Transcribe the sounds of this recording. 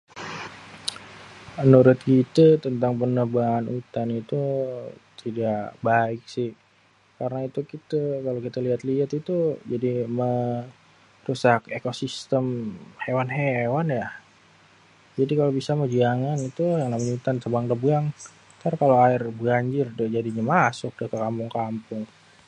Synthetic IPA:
ənuɾʊt̪̚kit̪ət̪ənt̪aŋpənəbaːnut̪anit̪ut̪idakbaɪk̚sɪh | kaɾənait̪ukit̪əkalokit̪aliɦat̪liat̪it̪ud͡ʒadimə | rusakekosist̪əmhewanɦewanja | d͡ʒadikalobisaməd͡ʒiaŋanit̪ujaŋnamaɲut̪ansəbaŋdəbaŋ | t̪aɾkaloaɪrbəɡaɲd͡ʒɪrdəd͡ʒadiɲamasʊk̚dakəkampʊŋkampʊŋ

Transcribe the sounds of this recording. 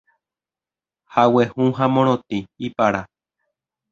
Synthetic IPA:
hawehũɦamõɾ̃õt̪ĩipaɾa

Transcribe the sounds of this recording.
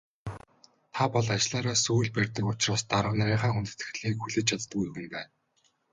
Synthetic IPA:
t̪ʰapɔɮat͡ɕɪɮaːɾaːsujɮpærʲt̪ə̆kʊt͡ɕraːst̪aɾə̆wnæɾʲiːɴχaːxunt̪ɘ̥̆t̪ɘ̆xɮiːkxuɮɘ̆t͡ɕʰat͡s̪t̪ːə̆kujɵɣɘ̆mpæːn

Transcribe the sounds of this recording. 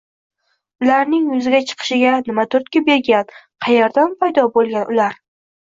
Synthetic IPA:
ʊlaɾnɪŋjʊzɪɡʲat͡ʃʰɨ̥qʰɨ̥ʃɪɡʲanɪmat̪ʰʊɾt̪̚kʲabeɾɡʲanqʰɑjaɾd̪anpʰajd̪ɒbolˠɡʲanʊlaɾ

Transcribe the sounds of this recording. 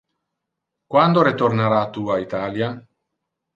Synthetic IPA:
kwand̪oɾet̪ornaɾat̪uait̪aːlja

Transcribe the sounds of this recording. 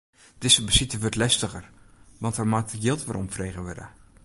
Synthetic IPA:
d̥ɪsəbəsitəʋøtlɛstəɣərʋɑntərmatəjɪlˠtʋə̰ɾʔɔmfrejɣəʋødə̰

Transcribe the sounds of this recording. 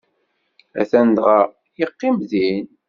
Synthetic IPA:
æ̰θænd̪ʁɑ | jəqːimðin

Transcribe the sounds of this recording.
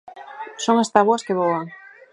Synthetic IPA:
soŋast̪aβoaskeβoaŋ

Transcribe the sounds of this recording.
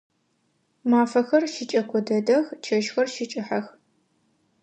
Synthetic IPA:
maːfɐxɐrʃɪt͡ʃʼɐkʷʰɔdɐdɐxt͡ʃʰɐʃxɐrʃɪt͡ʃʼɪħɐx

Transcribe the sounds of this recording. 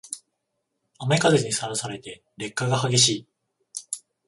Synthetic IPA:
amaikazeɲ̟isaɾasaɾe̞t̪e̞ | ɾe̞kːaɡahaɡe̞ɕiː

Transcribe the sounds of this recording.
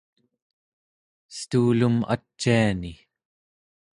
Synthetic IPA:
st̪uːluma̰t͡ʃːiani

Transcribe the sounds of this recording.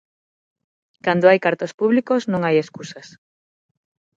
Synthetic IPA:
kand̪oajkaɾt̪ospuβlikosnõŋajeskusɐs

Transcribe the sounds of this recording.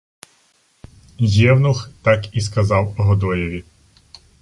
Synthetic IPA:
jɛwnʊxt̪ɑkiskɐzɑwɔɦɔd̪ɔjɔʋʲi

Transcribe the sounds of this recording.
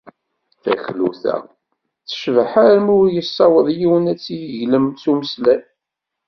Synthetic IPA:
θæ̰çlṵθæ̰ | θə̥ʃvħaɾəmʊɾjəsˤːɑwəðˤjiwənæt͡sːijəʝləmt͡suməslæ

